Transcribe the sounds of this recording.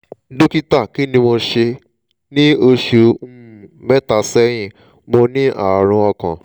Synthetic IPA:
do˦ki˦ta˦˨ki˨˦nĩ˦mo˧ʃe˧ | nĩ˦o˧ʃu˨˧˦mɛ˦ta˨sɛ˦j̃ĩ˦˨ | mo˧nĩ˦ʔa̰˦˨ɾ̃ũ˧ɔ˧kã̰˨

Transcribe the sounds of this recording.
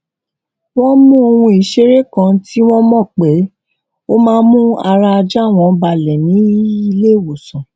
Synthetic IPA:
w̃ɔ̃˦mũ˦o˧wũ˧i˨ʃe˨˦ɾe˦˨kã˧ti˦w̃ɔ̃˦mɔ̃˦˨k͡pe˨˦ | o˦mãː˦˧˦mũ˦a˧ɾa˧a˧d͡ʒa˦˨w̃ɔ̃˧˨˦ba˧lɛ˨nĩ˨˦i˧le˦˨wo˨sɔ̃˨

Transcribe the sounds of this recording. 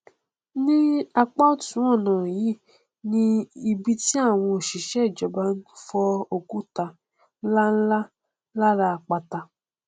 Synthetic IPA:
nĩ˦a˧k͡pa˦tũ˨˦ɔ˦˨nã˨ji˨˦˨ | nĩ˧i˧bi˧ti˦a˦˨w̃ɔ̃˧o˨ʃi˨ʃɛ˦˨d͡ʒɔ˨ba˧˦n̩˦fɔ˧o˨ku˦ta˧˦ | la˦n̩˦la˦ | la˦ɾa˧˨k͡pa˧ta˧

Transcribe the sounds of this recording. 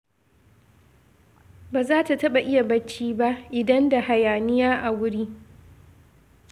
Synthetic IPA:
baː˨zaː˦ta˨tɐ˦ɓa˨ʔɪ˦ja˨bɐ˦t͡ʃːiː˦ba˦ʔʔɪ˨dɐ˦nda˨ha˨jaː˨nɪ˦jaː˦ʔa˨wʊ˦ɽiː˦

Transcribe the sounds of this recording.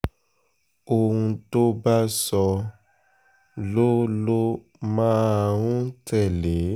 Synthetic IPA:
o˨ɦũ˧to˦ba˦sɔ˧ | lo˦lo˦ | mãː˦˧ɾũ˦tɛ˦˨le˨˦

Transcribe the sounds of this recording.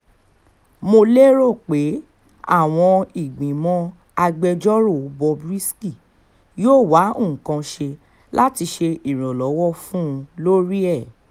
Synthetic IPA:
mo˧le˦ɾo˦˨k͡pe˨˦ | a̰˦˨w̃ɔ̃˧i˨ɡ͡bĩ˨mɔ̃˧ | a˧ɡ͡bɛ˧d͡ʒɔ˦ɾo˦˨o˨˦bɔ˧bɾi˦ski˦˨ | joː˦˨wa˨˦õ˦˨kã˧ʃe˧ | la˦ti˧ʃe˧i˦˨ɾ̃ɔ̃˨lɔ˨˦wɔ˦˨fũ˦ũ˧lo˦ɾi˦ɛ˦˨

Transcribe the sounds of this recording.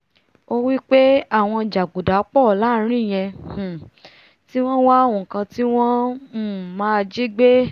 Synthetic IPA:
o˧wi˦k͡pe˦a˦˨w̃ɔ̃˧d͡ʒa˨ɡ͡bu˨da˨˦k͡pɔ˦˨˦la˨˦ɾ̃ĩ˦˨j̃ɛ̃˧˨ | ti˦w̃ɔ̃˦wa˦˨wũ˨kã˧ti˦w̃ɔ̃˦m̩˦˨mãː˦˧d͡ʒi˦ɡ͡be˦

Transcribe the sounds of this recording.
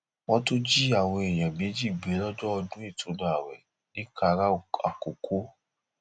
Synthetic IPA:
wɔ̃˧˦to˦d͡ʒi˦a˦˨wɔ˧e˨j̃ã˨mĩ˨˦d͡ʒi˦˨ɡ͡be˨˦lɔ˦d͡ʒɔ˦ɔ˧dũ˦e˦˨tʰũ˨˦dã˨a˨wɛ̰˨ | nĩ˦ka˧ɾa˦˨a̰˨ko˨kʰo˦

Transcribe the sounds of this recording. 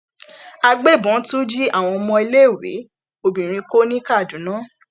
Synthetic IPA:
a˧ɡ͡be˦˨bɔ̃˨˦tu˦d͡ʒi˦a˦˨w̃ɔ̃˧ɔ˧mɔ̃˧i˧le˦˨wḛ˨˦ | o˧bĩ˨ɾ̃ĩ˧˦ko˦nĩ˦ka˦˨dũ˨˦nã˦

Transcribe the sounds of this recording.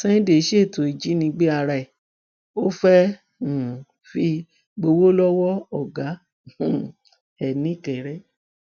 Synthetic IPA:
sɛ̃˦de˨˦ʃe˦˨to˨i˨d͡ʒi˨˦nĩ˧ɡ͡be˦a˧ɾa˧˨ɛ˨ | o˦fɛ̃˦˨ | fi˧ | ɡ͡bo˧wo˦lɔ˦wɔ˦ɔ˦˨ɡa˨˦˨ | ɛ˨nĩ˨˦˨kɛ˨ɾɛ˦

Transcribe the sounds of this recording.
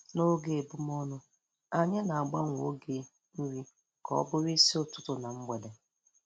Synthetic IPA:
no˦ɡe˨e˨bʊ˦m˦ɔ˦nʊ˦ | a˨ɲe˦na˨a˨ɡ͡ba˦ŋʷ˨o˦ɡe˦ | ɾi˦ | kɔ̰˨˦bʊ˦ɾi˦si˦ʊ˨tʊ̥˦tʊ˨na˨m̩˦ɡ͡be˨de˨

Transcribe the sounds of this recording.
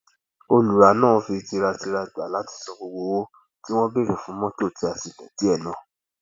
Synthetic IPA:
o˧lu˨ɾa˨˦nãː˦˨˧fi˧ti˧ɾa˧ti˧ɾa˧˨da˨la˨˦ti̥˧sɔ˧bo˧wo˧wo˦ | ti˦w̃ɔ̃˦be˦˨ɾĩ˨fũ˨˦mɔ̃˦to˦˨ti˧a˨si˨lɛ̰˨ti˨˦ɛ˦˨nã˨

